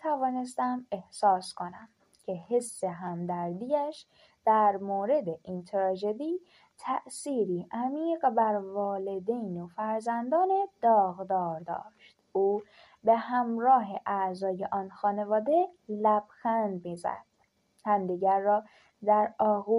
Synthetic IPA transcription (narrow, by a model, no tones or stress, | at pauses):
t̪ʰævɒːne̞st̪æme̞hsɒːskʰo̞næm | cʲʰe̞hesːe̞ɦæmd̪æɾd̪iːjæʃ | d̪̥æɾmoːɾe̞d̪eʔint̪ʰeɾɒːd͡ʒed̪iː | t̪ʰæʔsiːɾiːʔæmiːɢbæɾvɒːle̞d̪ejnofæɾzænd̪ɒːne̞d̪̥ɒːɣd̪ɒːɾd̪ɒ̰ːʃt̪uː | be̞hæmɾɒːɦe̞ʔæzɒːje̞ʔɒːnxɒːne̞vɒːd̪e̞læb̥xænd̪miːzæ̰d̪̥̚ | hæmd̪iːɟæɾːɒː | d̪æɾɒːɣu